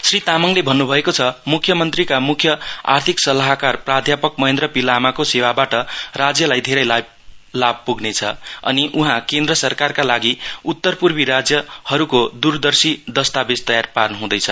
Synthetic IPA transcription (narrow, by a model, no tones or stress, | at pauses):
srit̪amʌŋlebʱʌnːubʱʌekot͡sʰʌmukʰjʌmʌnt̪rikamukʰjʌa̰rt̪ʰiksʌlaɦkarprad̪ʱjapʌk̚mʌẽnd̪ɾrʌpilamakosewabaʈʌrad͡zjʌlajd̪ʱeɾʌjla | lab̚puɡnet͡sʰʌʌ̰niʔuɦãkẽnd̪ɾʌsʌrkarkalaɡiut̪ːʌrpurbiɾad͡zjʌhʌɾukod̪urd̪ʌrsid̪ʌst̪abest̪ʌjarparnʌɦũd̪ʌjt͡sʰʌ